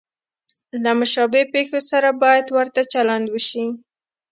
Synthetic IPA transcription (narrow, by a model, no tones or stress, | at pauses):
lamʊʃɑbepexosaɾabɑjad̪wəɾt̪at͡ʃaland̪wəʃi